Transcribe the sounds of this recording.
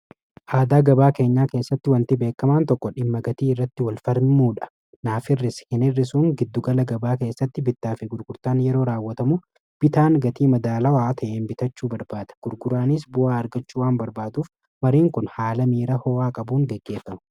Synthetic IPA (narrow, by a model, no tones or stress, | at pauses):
ʔaːd̪aːɡɐbaːke̞ːɲːaːke̞ːsːɐt̪ːɪwɐnt̪ɪbe̞ːkːɐmaːnt̪ɔkːɔᶑɪmːɐɡɐt̪iːɪrːɐt̪ːɪwɐlfɐɾmuːᶑɐ̥ | naːfɪrːɪshɪnɪrːɪsʊŋɡɪd̪ːʊɡɐlɐɡɐbaːke̞ːsːɐt̪ːɪbɪt̪ːaːfɪɡʊɾɡʊɾt̪aːnjɛɾo̞ːɾaːwːɐt̪ɐmu | b̥ɪt̪aːŋɡɐt̪iːmɐd̪aːlɐwaːt̪ʰɐʔeːnbɪt̪ɐt͡ʃːuːbɐɾbaːd̪̥ɐ̥ɡ̥ʊɾɡʊɾaːnis̬bʊaːɐɾɡɐt͡ʃːuːwaːnbɐɾbaːd̪uːf | mɐɾiːŋkʊnhaːlɐmiːɾɐhɔːaːkʼɐbuːŋɡɛɡːe̞ːfːɐmɐ